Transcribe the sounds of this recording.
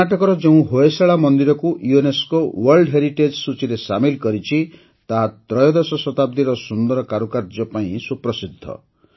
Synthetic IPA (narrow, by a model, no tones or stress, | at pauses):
aʈɔkɔɾɔd͡ʒeũɦoesaɭamɔnd̪iɾɔkuʔjueneskowɔɾlɖɦeɾiʈed͡ʒsut͡ʃiɾesamilkɔɾit͡ʃʰi | t̪aɦat̪ɾɔjɔd̪esɔsɔt̪ab̚d̪iɾɔsund̪ɔɾɔkaɾukaɾd͡ʒɔpaĩsupɾɔsid̪ʱːɔ̰